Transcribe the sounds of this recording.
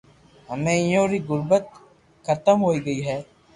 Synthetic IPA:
ɦɐmẽjõːɾiɣʊɾbət̪ | xʰɐt̪əmɦoːiɡɐiːɦɛː

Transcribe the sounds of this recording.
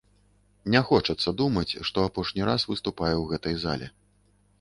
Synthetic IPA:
nʲɛxɔt͡ʂɐt̪sːɐd̪umɐt͡sʲʂt̪ɔapɔʂnʲiɾasvɨst̪upajɛwɣɛt̪ɐjza̰lʲɛ̰

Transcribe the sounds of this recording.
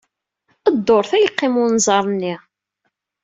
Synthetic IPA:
əd̪ːoɾˤθæjqːemʊnzˤɑɾˤnːi

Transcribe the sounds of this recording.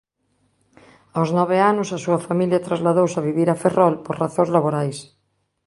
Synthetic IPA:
awznɔβ̞eanʊsasuɐfamiljat̪ɾazlaðowsaβiβiɾaferʔɔlpoɾraθõŋzlaβoɾajs

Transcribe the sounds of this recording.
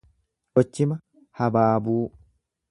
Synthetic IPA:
ʔɔt͡ʃːɪmɐ | hɐbaːbuː

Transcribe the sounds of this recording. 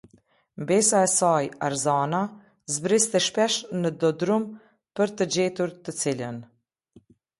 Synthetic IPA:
mbɛsaɛsaja̰ɾzana | zbɾist̪ɛʃpɛʃnəd̪ɔd̪ɾum | pəɾt̪əd͡ʑɛt̪uɾt̪ət͡silən

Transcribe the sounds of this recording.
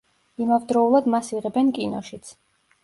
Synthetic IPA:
imavd̪ɾɔulˠad̪masiʁɛbɛnkʼinɔʃit̪sʰ

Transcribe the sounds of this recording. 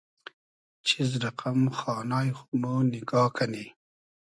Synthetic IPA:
t͡ʃɪzɾaqamxɑːnɑːjxʊmunɪɡɑːkʰani

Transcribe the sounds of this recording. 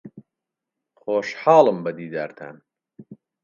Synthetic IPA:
χoːʃħɑːlˠəmbɐd̪iːd̪aːɾt̪ʰa̰ːn

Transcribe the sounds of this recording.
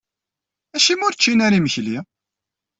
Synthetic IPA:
æʃimʊɾt͡ʃːinæɾiməçli

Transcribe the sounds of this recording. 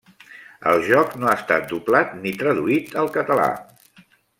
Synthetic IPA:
ə̰lˠʒɔknoaːst̪a̰t̪̚d̪uplat̪̚nit̪ɾəðuit̪əlˠkət̪əla̰

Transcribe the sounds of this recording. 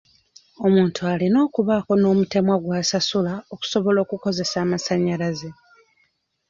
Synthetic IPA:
o̞muːntualino̞ːkuβaːko̞no̞ːmute̞mwaɡwaːsasulao̞ku̥so̞βo̞lo̞ːkuko̞ze̞saːmasaɲːalaze

